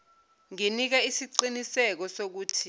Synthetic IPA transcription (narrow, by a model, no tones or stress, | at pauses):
ŋinik̬aisiǃinisɛk̬ɔsok̬uːtʰi